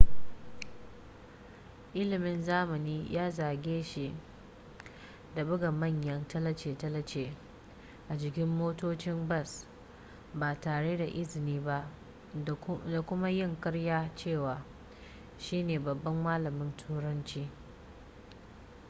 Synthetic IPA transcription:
ʔɪ˦lɪ˨mɪ˦nzaː˦mɐ˨niː˦jʔaː˦zaː˨ɡʲeː˦ʃi˨ | da˨bʊ˦ɡa˨mɐ˦˨ɲjɐ˦ntɐ˦lɐ˦t͡ʃeː˨tɐ˦lɐ˦t͡ʃeː˨ | ʔa˨d͡ʒɪ˨k̬ʲɪ˦mːoː˦toː˦t͡ʃɪ˦mbɐ˦˨s | baː˨taː˨ɽe˦da˨ʔɪ˦zɪ˨niː˦ba˦ʔ | da˨kʷʊ˦ma˦jɪ˦˨ŋkɐ˦ɽjaː˦t͡ʃeː˦˨waː˨ | ʃiː˦neː˨bɐ˨bːɐ˦mːaː˦lɐ˨mɪ˦ntʰuː˦ɾɐ˦nt͡ʃiː˦

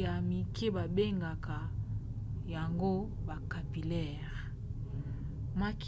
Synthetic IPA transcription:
a˨mi˨kʰe˦ba˨be˦ŋɡa˨ka˨ | ja˨ŋɡo˦ba˨ka˨pi˨lɛ˦˨ | ʁ | ma˦k

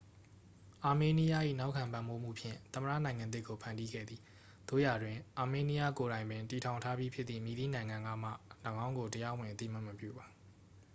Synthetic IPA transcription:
ʔa˨me˨ni˦ja˦ʔḭ˦˨na˦ʊkʰã˨mpã˨mbo˦m̥ṵ˦˨pʰjɪ̰̃˦˨t̪ə˨məɹä̰˦˨nã˨ɪ̃ŋã˨d̪ɪ˦kːo˨pʰã˨ndi˦ɡɛ̰˦˨d̪ði˨˦ | d̪̥o̰˦˨ja˨dwɪ̃˨ʔa˨me˨ni˦ja˦ko˨ɾã˨ɪ̃mbɪ̃˨nti˨tʰã˨ʊ̃ntʰa˦bji˦pʰjɪ˦t̪t̪ːθḭ˦˨mi˨d̪i˦˨nã˨ɪ̃ŋã˨ŋɡa̰˦˨m̥ä̰˦˨lə˨ɡã˦ʊ̃ŋɡo˨təja˦wɪ̃˨ʔə˦t̪ḭ˦˨m̥a˦˨mːəpjṵ˦˨ba˨

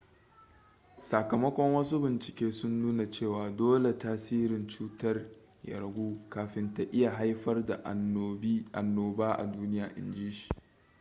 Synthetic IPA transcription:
sa˨kɐ˨mɐ˦kʷɔ˦ŋwɐ˦s̬u˦bɪ˨nt͡ʃɪ˨kʲeː˦sʊ˦nːuː˦na˨t͡ʃeː˦˨waː˨doː˦le˨taː˦siː˦ɾɪ˨nt͡ʃuː˦tɐ˦r | ja̰˨ɾɐ˨ɡʷuː˦kaː˨ɸɪ˦nta˨ʔɪ˦ja˨ɦa˦jɸɐ˦rda˨˦ | ʔa˨nːoː˨baː˦ʔa̰˨duː˦nɪ˦jaː˨ʔɪ̰˨nd͡ʒiː˦ʃi̥˨ʔ

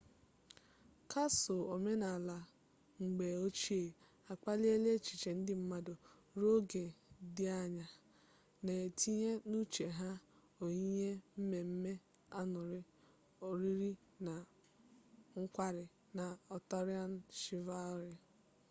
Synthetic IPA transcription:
kʰa˦sʊ˨o˨me˦na˨la˨ | ŋ͡m̩˨ɡ͡be˨o˦t͡ʃi˦e˨ | a˨k͡pa˦li˦e˦le˦t͡ʃi̥˨t͡ʃe˨n̩˦dɪ˦m̩˦ma˦dʊ˨ | ɾo˦ɡe˨dɪ˦a˦ɲa˨ | ne˨e˨tʰi˦ɲe˦nu˦t͡ʃe˨ɦa˦ | o˨ɲi˦ɲe˦m̩˦me˨m̩˦me˦ | a˦nʊ˨ɾɪ˦ | o˨ɾi˦ɾi˦ | na˨ | ŋ̩˦kʷa˦ɾɪ˨ | na˨ɔ˨tɔ˦ɾɪ˦a˦n̩˦ʃi˦va˦ʊ˦ɾɪ˦

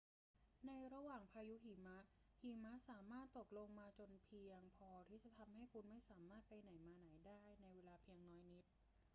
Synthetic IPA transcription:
na˧jɾa˧waː˨˩ŋpʰaː˧ju˦˥ɦi˨˩˦ma˦˥ʔhi˨˩˦ma˦˥saː˩˦maː˥˩t̪ːo˨˩k̚lo˧ŋmaː˧t͡ɕo˧npʰi˧əŋpʰɔː˧t̪ʰiː˥˩t͡ɕa˨˩t̪ʰa˧mɦa˥˩jkʰu˧nma˥˩jsaː˩˦maː˥˩t̪̚pa˧jna˩˦jmaː˧na˩˦jdaː˥˩jna˧jweː˧laː˧pʰi˧əŋnɔː˦˥jni˦˥t̪̚

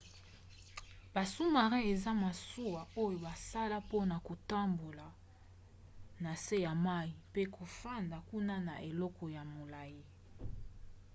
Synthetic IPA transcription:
b̥a˨su˦ma˨ʁɛ̃˦e˨za˦ma˨su˦wa˨o˦jo˨ba˨sa˦la˦po˦na˨ko˨ta˦mbo˨la˨ | na˨se˦ja˨ma˦ji˨pe˦kʰo˨fa˦nda˨ku˦na˦na̰˨ʔe˨lɔ˦kɔ˨ja˨mo˨la˨je˦

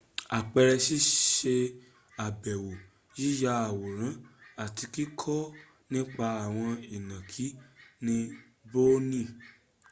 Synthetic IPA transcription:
a˨k͡pɛ˧ɾɛ˧ʃi˦ʃe˧ | a˨bɛ˨wo˨ | ji˦ja˧a˨wɔ˨ɾ̃ã˨˦a˦˨ti˧ki˦kʰɔ˦ | nĩ˦k͡pa˧a˨w̃ɔ̃˧i˨nã˨kʰi˨˦nĩ˦ | bo˦nĩ˦˨

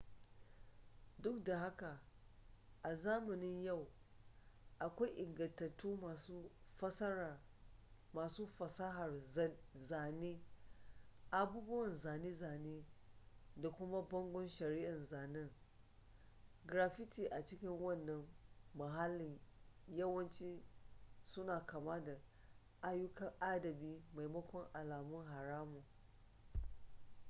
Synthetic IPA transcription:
dʊ˦k̚da˨ɦa˦ka˨ | ʔa˨zaː˦mʊ˨nɪ˦ɲja˦˨w | ʔa˨kʷa˦jʔɪ˨ŋɡɐ˨ntɐ˨tːuː˦˨˦ | ɐ˦sɐ˦˨ | maː˨suː˦fɐ˨sa˦ɦa˨rzaː˨neː˦ | ʔa˨buː˦bʊ˦wɐ˨nzaː˨ne˦zaː˨neː˦ | da˨kʷʊ˦ma˦bɐ˦ŋɡʷɔ˦nʃɐ˨ɾi˦ʔa˨nzaː˨nɪ˦ŋ | ɡɾa˨ɸɪ˦tiː˨ʔa˨t͡ʃɪ˦kʲɪ˦ŋwɐ˦˨nːɐ˦ŋːɐ˨ɦa˦lːɪ˨njɐ˦wɐ˦nt͡ʃiː˦ | sʊ˦naː˨kaː˨ma˦da˨ | ʔa˦jʊ˦kɐ˦ŋʔa˦dɐ˨biː˦ma˨jmɐ˦kʷɔ˦ŋʔa˨laː˨mʊ˦ŋɦa˨ɾaː˦mu˨

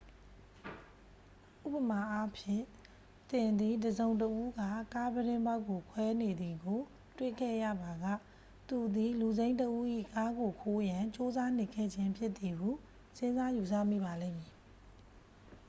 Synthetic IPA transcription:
ʔṵ˦˨pə˨ma˨ʔa˦pʰjɪ̰̃˦˨ | t̪ɪ̃˨nd̪i˨dəzõ˨ʊ̃ntəʔu˦ɡa̰˦˨ka˦bəɾɪ̃˦mba˦ʊkːo˨kʰwɛ˦ne˨d̪i˨ɡo˨ | twḛ˦˨kʰɛ̰˦˨jä̰˦˨ba˨ɡä̰˦˨ | t̪u˨d̪i˨lu˨zẽ˦ɪ̃ntəʔu˦ʔḭ˦˨ka˦ɡo˨kʰo˦jã˨t͡ɕo˦za˦n̥ɪ˦˨kʰɛ̰˦˨d͡ʑɪ̃˦mpʰjɪ˦ʔt̪ːi˨ɦu˦˨ | sɪ̃˦nza˦ju˨sä̰˦˨mḭ˦˨ba˨lḛ̃˦˨mi˨

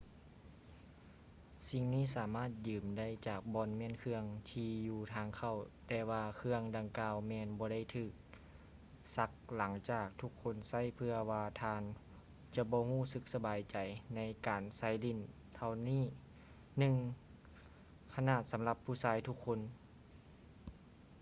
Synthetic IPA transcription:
si˧ŋniː˧˥˨saː˨˩˦maː˥˩t̪̚jɯː˨˩mda˥˩jt͡ɕaː˨˩k̚bɔː˧˥nmi˧˥ə˨nkʰɯ˧əŋt̪ʰiː˧juː˧˩t̪ʰaː˧ŋkʰa˧˩˨wt̪ɛː˧waː˧kʰɯ˧əŋda˧ŋkaː˧wmɛː˧nbɔː˧˦da˥˩jt̪ʰɯː˨˩k̚ | sa˧˥k̚la˩˦ŋt͡ɕaː˧˨˩k̚t̪ʰu˧˥kʰːo˧˥˨nsa˥˩˨jpʰɯ˧ɐwaː˧t̪ʰaː˧n | t͡ɕa˧bɔː˧˦huː˧˥˨sɯ˧k̚sa˧baː˨˩jt͡ɕa˨˩jna˧˥jkaː˨˩nsa˧˥˩jli˧˥˨n | t̪ʰa˧wniː˥˩˨ | nɯ˧ŋ | kʰa˧naː˧˩t̪̚sa˨˦mla˧pʰːuː˧˩saː˧˥jt̪ʰu˧˥kʰːo˧˥˨n

